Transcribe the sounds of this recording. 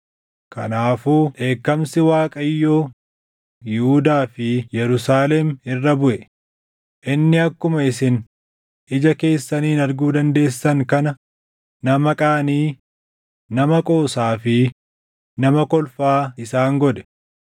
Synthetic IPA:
kɐ̰naːfuːᶑe̞ːkːɐmsɪwaːkʼɐjːo̞ː | jɪhʊd̪aːfɪjɛɾʊsaːlɛmɪrːɐbʊʔɛ | ʔɪnːɪɐkːʊmɐɪsɪn | ɪd͡ʒɐke̞ːsːɐniːnɐɾɡuːd̪ɐnd̪e̞ːsːɐŋkɐnɐ | nɐmɐkʼaːniː | nɐmɐkʼo̞ːsaːfɪ | nɐmɐkɔlfaːɪsaːŋɡɔd̪ɛ̥

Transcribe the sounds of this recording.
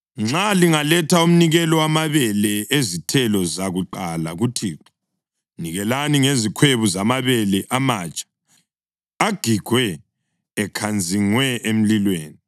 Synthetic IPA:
ŋ͡ǁaliŋalɛtʰaum̩niɣɛlɔwamaβɛlɛʔezitʰɛlɔzaɣuǃala̰ɣutʰiːǁa | niɣɛlaniŋezikʰweβuzamaβɛlɛʔamaːt͡ʃʼḁ | aɡ̥ʱiɡ̥ʱwɛː | kʰand͡zʱiŋwɛʔem̩lilweːni

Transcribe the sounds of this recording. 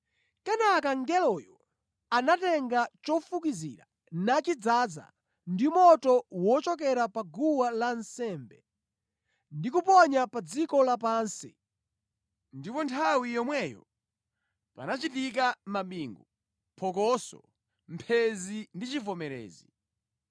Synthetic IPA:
kɛnakaŋɡɛlɔjɔ | anatɛŋɡat͡ʃɔfukizḭɾa̰ | nat͡ʃid͡zad͡za̰ | ndimɔtɔwɔt͡ʃɔk̬ɛɾapaɡuwalansɛmbɛ | ndikupɔɲapad͡zikɔlapaːnsi | ndipɔntʰawijɔmwɛjɔ̰ | pa̰nat͡ʃitik̬amaɓiŋɡu | pʰɔkɔsɔ̰ | m̩pʰɛzindit͡ʃifɔmɛɾɛ̰ːzi

